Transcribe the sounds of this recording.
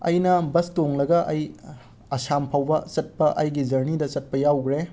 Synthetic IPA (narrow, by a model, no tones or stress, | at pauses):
ɐ̰jnɐbɐstoŋlɐɡɐʔɐj | ɐsampʰawbɐt͡ʃɐt̚pɐʔɐjɡid͡ʒɐɾnidɐt͡ʃɐt̚pɐjawɡɾe